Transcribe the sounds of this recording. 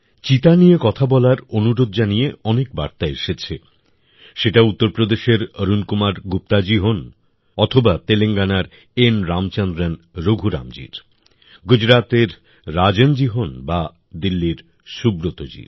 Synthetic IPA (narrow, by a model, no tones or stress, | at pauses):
t͡ɕit̪aniekɔt̪ʰabɔlaɾonuɾod̪̚d͡ʑanieɔnek̚ba̰ɾt̪aeʃet͡ɕʰe | ʃeʈaut̪ːoɾpɾod̪eʃeɾəɾunkumaɾɡup̚t̪ad͡ʑiɦon | ɔt̪ʰobat̪eleŋɡanaɾ | enɾamt͡ɕɔnd̪ɾen | ɾoɡʱuɾa̰md͡ʑḭɾ | ɡud͡ʑɾat̪eɾː | ad͡ʑend͡ʑiɦonba | d̪ilːiɾ | ʃubɾot̪od͡ʑḭɾ